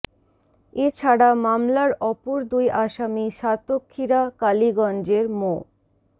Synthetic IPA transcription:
et͡ɕʰaɽamamlaɾɔpoɾd̪ujʔaʃamiʃat̪okʰːiɾakaliɡɔnd͡ʑeɾmo

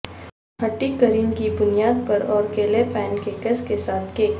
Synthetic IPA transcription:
ɦɐʈːikəɾiːnkibʊnijaːd̪̚pɐɾɔːɾkeːlepɛ̃ːnkekəskesaːt̪ʰkeːk

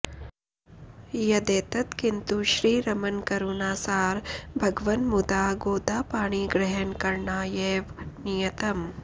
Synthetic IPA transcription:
jɐd̪eːt̪ɐt̪kint̪uʃɾiːɾɐmɐnkɐɾunaːsaːɾbʱɐɡʋɐnmud̪aːɡoːd̪aːpaːɳ̃iːɡɾɐɦɐnkɐɾɳaːjeːʋnijɐt̪ɐm

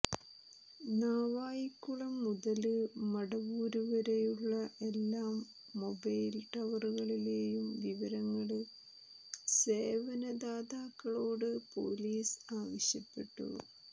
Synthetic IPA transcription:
naːʋaːjikːuɭɐmːuðɐlɨmɐɽɐʋuːɾuʋɐɾe̞juɭːɐʔe̞lːaːmː | o̞bɐjlʈɐʋɐruɣɐɭile̞ːjumʋiʋɐɾɐŋːɐɭɨ | se̞ːʋɐnɐd̪aːd̪aːkːɐɭo̞ːɽɨpo̞̰liːsaːʋɐɕjɐpːe̞̰ʈːṵ

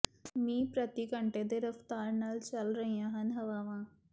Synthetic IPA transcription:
mĩːpɾɐt̪ikə̃ɳʈed̪eɾɐft̪aːɾnɐlt͡ʃɐlɾəɦijãɦənɦɐʋaːʋãː

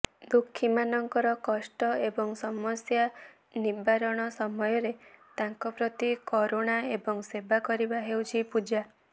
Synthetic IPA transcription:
d̪ukʰːimanɔŋkɔɾɔkɔsʈɔebɔŋsɔmɔsja | nibaɾɔɽ̃ɔsɔmɔjɔɾet̪aŋkɔpɾɔt̪ikɔɾoɽ̃aebɔŋsebakɔɾibaɦewt͡ʃʰipud͡ʒa

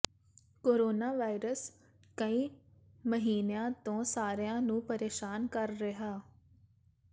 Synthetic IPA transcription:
koːɾoːnaːʋaːɪɾəs | kəĩː | məɦiːnejãːt̪õːsaːɾejãːnũːpəɾeːʃaːnkəɾːɪɦaː

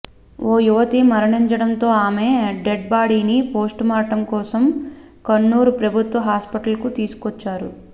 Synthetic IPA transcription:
oːjuʋɐt̪imɐɾɐɳiɲt͡ʃɐɽɐnt̪o̞ːaːme̞ɖeɖ̚baːɽiːnipo̞ːsʈmaːʈɐmkɔːsɐm | kɐnːuːɾupɾɐbʱut̪ʋɐɦaːspɐʈɐlkut̪iːsu̥kɔt͡ʃːaːɾu

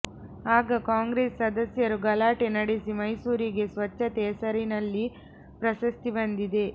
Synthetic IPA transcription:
aːɡɐkaːŋɡɾeːsːɐd̪ɐsjɐɾuɡɐlaːʈenɐɽesimɐjsuːɾiɡe̞sʋɐt͡ʃːɐt̪ɛːsɐɾinɐlːi | pɾɐʃɐst̪ibɐnd̪id̪e̞

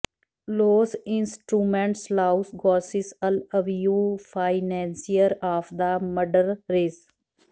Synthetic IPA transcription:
loːsɪ̃nsʈɾuːmẽɳʈslaʊsɡɔːsɪsələʋjuːfaɪnɛ̃nsiəɾaːfd̪əməɖəɾɾeːs

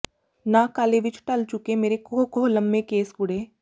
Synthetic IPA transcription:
naːkaːleʋɪt͡ʃʰʈɐlt͡ʃʊkemeːɾekoɦkoɦlɐmːekeːsɡʊɽeː

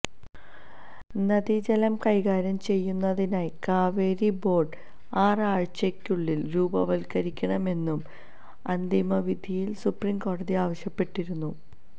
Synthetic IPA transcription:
nɐðid͡ʑɐlɐmkɐjɣaːɾɐmt͡ɕe̞jːunːɐðinaːjkaːʋeːɾibo̞ːɖ | aːraːɻt͡ɕekʲːuɭːilɾuːbɐʋɐlkɐɾikʲːɐɳɐme̞nːum | ɐnd̪imɐʋid̪ʱijilsuprimko̞ːɽɐðiaːʋɐɕjɐpːe̞ʈːiɾunːu

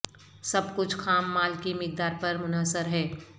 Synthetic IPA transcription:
sɐbkʊt͡ʃʰkʰaːmːaːlkimɪk̚d̪aːɾpɐɾmʊnaːsəɾɦɛː

